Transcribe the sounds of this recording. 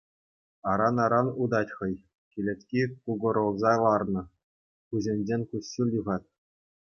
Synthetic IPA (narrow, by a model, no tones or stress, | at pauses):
ɑɾɑnɑɾɑnud̪ɑtʲχɤ̆j | kʲilʲĕt̪ʲkʲikuɡɤ̆ɾɤ̆lˠzɑlˠɑrnɤ̆ | kuʑĕnʲd͡ʑenʲkuɕːilʲuʁɑt̪̚ʲ